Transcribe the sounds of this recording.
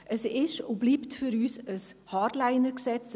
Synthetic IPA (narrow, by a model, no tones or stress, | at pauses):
ʔəsɪʃʊbliːptfʏɾyːsəshɑːɾdlaɪnəɾksɛt͡s